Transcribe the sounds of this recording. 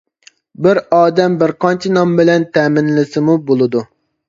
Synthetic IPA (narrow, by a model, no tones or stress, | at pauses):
bɪɾɑːd̪ɛmbɪɾqʰɑnt͡ʃʰinɑmbɪlɛnt̪ʰɛːmɪnlɪsɪmubolˠɨd̪u